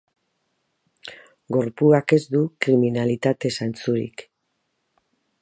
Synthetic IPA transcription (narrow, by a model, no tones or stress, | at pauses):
ɡo̞ɾpuake̞zd̪ukɾiminalit̪at̪e̞sant͡suɾḭk